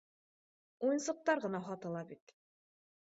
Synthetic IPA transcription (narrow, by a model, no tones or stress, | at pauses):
ujɤ̆nsɤ̆q̚t̪ɑɾʁɤ̆nɑɦɑt̪ɤ̆lˠɑbit̪